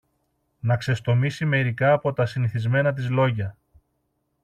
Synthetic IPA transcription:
nɐkse̞st̪o̞misime̞ɾikɐːpo̞t̪ɐsiniθizme̞nɐt̪̬izlo̞ʝɐ

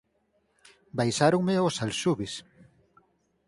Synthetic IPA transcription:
bajsaɾoŋmeosalʃuβɪs

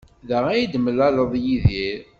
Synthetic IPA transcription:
ðəʁæjid̪məlæləðˤjiðiɾ

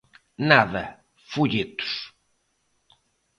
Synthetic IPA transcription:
naðɐ | fuʎit̪u̥s

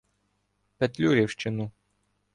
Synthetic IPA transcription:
pɛt̪ʲlʲuɾʲiwʃt͡ʃɪnʊ

